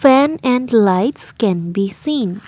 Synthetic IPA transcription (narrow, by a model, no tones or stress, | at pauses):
fɛnɛ̃ɳɖlaɪʈskɛ̃nbisĩːn